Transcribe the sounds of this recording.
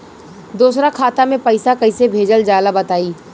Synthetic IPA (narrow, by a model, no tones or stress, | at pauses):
d̪uːsɾakʰaːt̪amẽpəɪsakɐɪsebʱeːd͡ʒəld͡ʒaːlabɐt̪aːiː